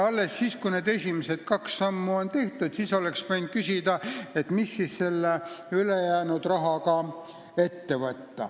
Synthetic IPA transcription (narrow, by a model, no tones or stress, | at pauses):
ɑlːe̞sːiːskuneːd̪e̞sʲimese̞d̪̥kɑksɑmːuo̞nt̪e̞ht̪ud̪siːso̞leksvɑjnd̪̥̚kysʲid̪̥ɑe̞t̪misːisse̞lːeylejæːnud̪rɑɦɑkɑ | e̞t̪ːe̞vɤt̪ːɑ̰